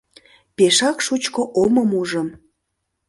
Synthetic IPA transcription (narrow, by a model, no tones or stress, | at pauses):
peʃɑkʃut͡ɕkoʔoməmuʒəm